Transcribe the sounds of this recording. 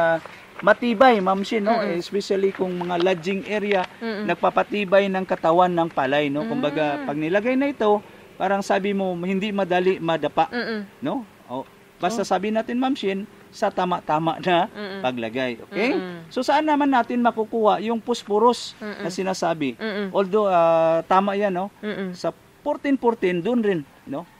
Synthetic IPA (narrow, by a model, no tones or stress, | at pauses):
a | mɐt̪iːbajmamʃɪnːoɛɪspɛʃalikʊŋmɐŋalad͡ʒɪŋʔɛɾjanɐɡ̚papat̪iːbajnɐŋkɐt̪awanːɐŋpalajnokʊmbaɡapɐɡ̚nɪlɐɡajnɐɪt̪o̞ | paːɾaŋsaːbɪmohɪnd̪ɪmɐd̪aːlɪʔmɐd̪ɐpaʔno | ʔo | bast̪asaːbɪnaːt̪ɪnmamʃɪn | sɐt̪aːmaʔt̪aːma̰ʔnɐpɐɡ̚lɐɡajʔo̰kɛjsosɐʔanːamanːaːt̪ɪnmɐkukuːwaʔjʊŋpʊspʊɾosnɐsɪnasaːbɪʔold̪oat̪aːmaʔjanːosɐ | pʊɾt̪ɪnpʊɾt̪ɪnd̪ʊʔʊnɾɪn | nːo